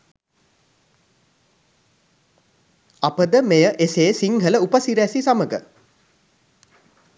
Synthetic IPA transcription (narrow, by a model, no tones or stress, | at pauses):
apəd̪əmejəʔeseːsiŋɦələupəsiɾæsisaməɡə̰